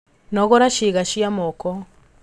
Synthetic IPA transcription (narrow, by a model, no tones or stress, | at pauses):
nɔɣɔɾaʃiɣaʃiamɔkɔ